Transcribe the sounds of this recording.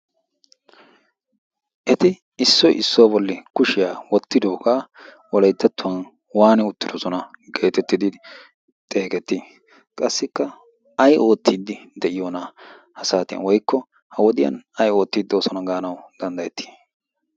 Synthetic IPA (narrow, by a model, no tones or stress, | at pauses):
ʔɛt̪ɪ | ɪsːɔjʔɪ̰sːoːbɔlːɪkʊʃɪjaːwɔt̪ːɪd̪oːka | wɔlɐjt̪ːɐt̪ːʊwɐn | waːnɛʊt̪ːɪd̪ɔsɔnɐɡe̞ːt̪ɛt̪ːɪd̪ɪ | t̪ʼeːkɛt̪ːɪ | kʼɐsːɪkːɐ | ɐjʔo̞ːt̪ːiːd̪ːɪd̪ɛʔɪjo̞ːna | hɐsaːt̪ɪjɐ̰nwɔjkːɔ | hɐwɔd̪ɪjɐ̰nɐjo̞ːt̪ːiːd̪oːsɔnɐɡaːnɐwd̪̥ɐnd̪ɐjɛt̪ʰːi̥